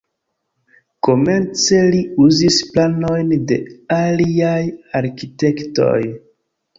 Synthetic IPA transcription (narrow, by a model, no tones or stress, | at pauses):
ko̞me̞nt͡se̞liuzisplano̞jnde̞̰aliajaɾkite̞kto̞̰j